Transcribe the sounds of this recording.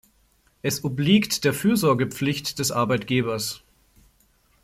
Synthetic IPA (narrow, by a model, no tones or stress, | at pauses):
ʔɛsʔʊbliːktd̥eːɐfyːɐzɔɐɡəp͡flɪçtd̥ɛsʔa̰ɐbaɪtɡ̥eːbɐs